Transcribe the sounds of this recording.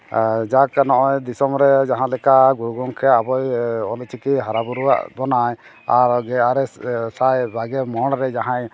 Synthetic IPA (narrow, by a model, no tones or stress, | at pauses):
d͡ʒaknɔʔɔjd̪isɔmɾɛd͡ʒaɦãlɛkaɡuɾɡɔŋkʰɛabɔjɔlt͡ʃʰikiɦaɾabuɾuwa̰ʔbɔnaj | aɾɡɛaɾɛsajbaɡɛmɔɽ̃ɾɛd͡ʒaɦãj